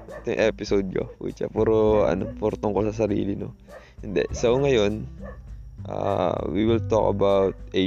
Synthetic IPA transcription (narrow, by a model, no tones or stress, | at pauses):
ɐt̪ʊŋʔɛpɪsod̪̚ko̰pṵːt͡ʃɐ̰puːɾoɐ̰nopoɾt̪oŋkosɐs̬ɐɾḭːlɪno | hɪnd̪ɛ̰sɐʔuŋɐjo̞n | ʔa̰wiwɪlt̪o̰kɐ̰bawt̪̚e